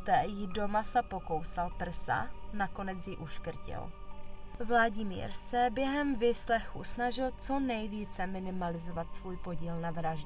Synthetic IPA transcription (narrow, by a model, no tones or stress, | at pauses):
t̪ɛːjɪdo̞masapo̞ko̞wsalpr̩sa̰nako̞nɛt͡sjɪʔuʃkr̩cɪ̰l | vlaɟɪmḭːɾsɛbjɛɦɛmvɪslɛxṵsnaʒɪlt͡so̞nɛjviːt͡sɛmɪnɪmalɪzovat̪svuːjpoɟiːlnavɾaʒdɛ